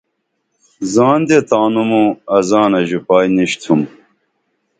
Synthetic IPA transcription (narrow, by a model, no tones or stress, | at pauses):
zaːnd̪et̪aːnumuɐzaːnɐʑipaːjniɕt̪ʰum